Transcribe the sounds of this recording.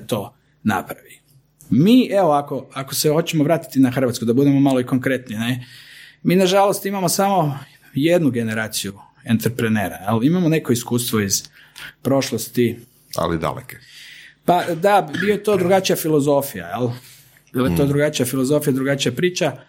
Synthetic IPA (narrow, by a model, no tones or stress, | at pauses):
t̪o̞ | na̰pɾaʋi | miːʔeʋoako̞akosexo̞t͡ɕemoʋɾaːt̪i̥t̪inaxr̩ʋat̪kud̪abud̪e̞mo̞maloiko̞ŋkɾe̞t̪ninemiːnaʒalo̞st̪imamo̞samo̞ | je̞d̪nuɡe̞ne̞ɾaːt̪siju | ent̪ɾpɾeneːɾajelimamone̞ko̞iskuːst̪ʋo̞iz̥ | pɾo̞ʃlˠost̪i | a̰lḭd̪a̰lḛkepad̪abijojet̪o̞ːd̪ɾuɡat͡ʃijafilˠo̞zo̞fija̰jelˠ | bilajet̪o̞d̪ɾuɡat͡ʃijafilozo̞fijad̪ɾuɡat͡ʃijapɾiːt͡ʃa